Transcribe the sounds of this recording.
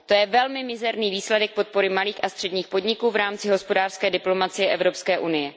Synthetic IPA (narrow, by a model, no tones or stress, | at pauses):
t̪o̞jɛvɛlmɪmɪzɛɾniːviːslɛdɛk̚po̞t̪̚poɾɪmaliːxʔast̪r̝̥ɛdɲiːxpo̞dɲɪkuːvɾaːmt͡sɪɦo̞spo̞daːr̥skɛːdɪplo̞mat͡sɪjɛʔɛvɾo̞pskɛːʔunɪjɛ